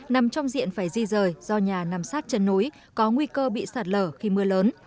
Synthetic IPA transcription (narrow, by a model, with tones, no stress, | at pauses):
na˨˩mt͡ɕɔ˧wŋ͡mzḭ˧˨ənfaː˧˩jzi˧zəː˨˩jz̥ɔ˧ɲaː˨˩naː˨˩msaː˦˥t̚t͡ɕə˧nːo˨˦j | kɔ˨˦ŋwi˧kəː˧ɓḭ˧˨saː˨˩t̚ləː˧˩xi˧mɨ˧ələː˨˦n